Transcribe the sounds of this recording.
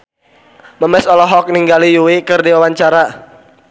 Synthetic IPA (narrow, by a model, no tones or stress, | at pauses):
məmɛsɔlɔɦɔk̚niŋɡalijuwikɨrdiwawaɲt͡ʃaɾa